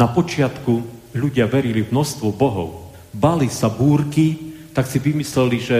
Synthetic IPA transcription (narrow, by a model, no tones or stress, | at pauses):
napɔt͡ʃɪat̪kuʎuɟɪaʋɛɾilimnɔst̪ʋɔbɔɦɔ̰ʊ | balisabuːɾkit̪aksiʋimislɛliʒɛ